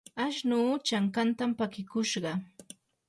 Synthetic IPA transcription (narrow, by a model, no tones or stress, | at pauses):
aʃnuːt͡ʃaŋkant̪ampakɪkʊʃɢɑ